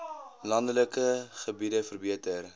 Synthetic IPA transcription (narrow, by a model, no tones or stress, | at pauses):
lɐndələkəχəbidəfərbiətər